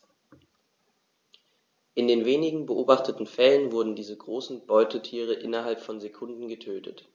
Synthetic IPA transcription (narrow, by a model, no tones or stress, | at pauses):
ʔɪndeːnveːnɪɡŋ̩bəʔoːbaχtʰətn̩fɛlənvʊɐdn̩diːzəɡʁoːsn̩b̥ɔʏtʰətʰiːʁ̞əʔɪnɐɦalpfɔnzekʰʊndn̩ɡətʰøːtʰə̰t